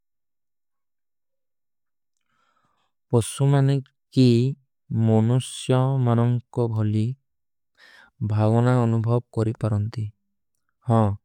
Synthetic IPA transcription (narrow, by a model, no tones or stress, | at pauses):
pɔsumane | ki | mɔnusjɔmanɔŋkɔbʱɔli | bʱaɡɔnaɔnubʱɔb̚kɔɾipaɾɔnt̪i | hɔ̃